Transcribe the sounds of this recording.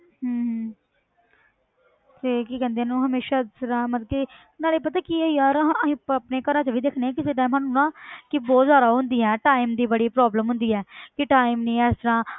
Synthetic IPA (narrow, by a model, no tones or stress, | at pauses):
ɦəːɦ | t̪eːkɪkɛ̃ːnd̪enːũːɦəmeːʃaːst̪əɾãːmət̪əki | naːleːpət̪aːkiəiːaːɾĩːəpneːkəɾãːt͡ʃaʋiːd̪eːkʰneːɛ̃ːkɪseʈãːmɦaːnũnãːkɪbɔːzaːɾaːɦʊnd̪iːɛːʈaːiːmd̪iːbəɽiːpɾɔːbləmɦʊnd̪iːɛːkɪʈaːimnĩːɛːst̪əɾãː